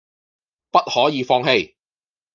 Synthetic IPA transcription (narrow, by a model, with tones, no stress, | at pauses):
pɐ˥t̚hɔː˨˥jiː˨˧fɔː˧ŋɦe˧j